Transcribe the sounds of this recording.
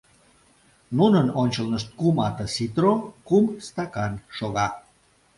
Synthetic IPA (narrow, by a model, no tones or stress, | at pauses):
nunənonʲt͡ɕəlnəʃt̪̚kumɑt̪ə̆sit̪rokumst̪ɑkɑnʃoɣɑ